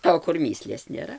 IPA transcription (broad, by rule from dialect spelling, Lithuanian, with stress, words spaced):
oː kʊr ˈmʲiːsʲlʲeːs nʲeːˈrɐ